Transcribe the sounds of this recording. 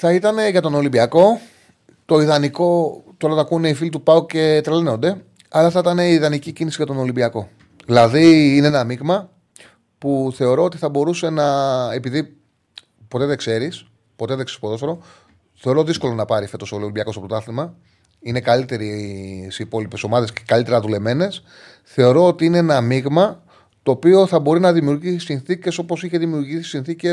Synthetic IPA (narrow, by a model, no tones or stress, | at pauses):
θɐit̪ɐne̞ʝɐt̪o̞no̞libiɐko̞ | t̪o̞iðɐniko̞t̪oɾɐt̪ɐkune̞ifilit̪upɐuce̞t̪ɾeleno̞nd̪e̞ | ɐlɐθɐit̪ɐne̞iːðɐnicicinisiʝɐt̪o̞no̞limbiɐko̞ | ðilɐðiineenɐmiɣmɐ | puθe̞o̞ɾo̞ot̪iθɐbo̞ɾuse̞nɐepiði | po̞t̪e̞ðe̞kse̞ɾis | po̞t̪e̞ðeksi̥spot̪oseɾo | θe̞oɾo̞ðisko̞lo̞nɐpɐɾife̞t̪o̞solobɐko̞sɐpot̪oɐθimɐ | inekɐlit̪e̞ɾisipo̞lipe̞so̞mɐðe̞sce̥kɐlit̪e̞ɾɐðule̞me̞ne̞s | θe̞o̞ɾo̞ot̪iineenɐmiɣmɐ | t̪o̞ːpio̞θɐbo̞ɾinɐðimiuɾʝisinθice̞so̞po̞siçeðimiuɾʝisi̥sinθice